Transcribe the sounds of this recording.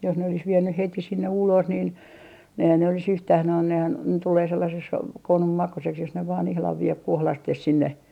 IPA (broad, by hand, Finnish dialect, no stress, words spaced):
jos ne olis ʋienːyh heti sinːe ulos nin eihæn ne olis yhtæh nohɑn nehæn tuleː selːɑses konum mɑkuseks jos ne ʋɑːn ihlɑʋ ʋie kohlɑstes sinːe